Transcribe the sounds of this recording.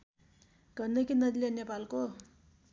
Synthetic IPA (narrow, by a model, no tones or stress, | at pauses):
ɡʱʌnːʌkinʌd̪ilenepalko